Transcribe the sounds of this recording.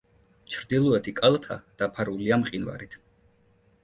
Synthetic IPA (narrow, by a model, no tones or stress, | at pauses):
t͡ʃʰɾd̪ilˠɔɛt̪ʰikʼalˠat̪ʰad̪̥apʰaɾuliamqʼinva̰ɾit̪ʰ